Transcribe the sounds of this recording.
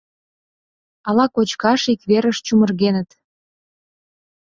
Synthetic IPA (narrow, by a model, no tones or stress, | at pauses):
ɑlɑkot͡ɕkɑʃikβeɾəʃt͡ɕumə̆rɣenət̪